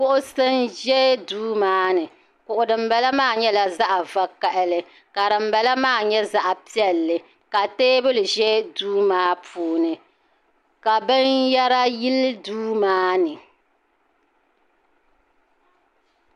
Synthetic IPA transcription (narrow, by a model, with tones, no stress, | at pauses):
kʊ˦ʔʊ˦sɨ˦nʒɛ˦duː˦maː˦nɨ˨ | kʊ˨ʔʊ˨dɨ˨m̩˦bɛ˦la˦maː˦˨ɲɛ˦la˨za˦ʔa˨va˦ka˨ʔɪ˦lɨ˨ | ka˨ɾɨ˨m̩˨bɛ˨la˦maː˦˨ɲɛ˦za˦ʔa˨pi˦ɛ˦lːɨ˨ | ka˨teː˦bɨ˦lɨ˨ʒɛ˦duː˦maː˦pʰuː˨˦nɨ˨ | ka˨bɨ˦nja˦ɾa˦ji˦lduː˦maː˦nɨ˨